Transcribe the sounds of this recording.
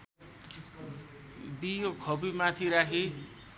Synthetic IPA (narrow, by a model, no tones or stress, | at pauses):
bijokʰʌbimat̪ʰiɾakʰi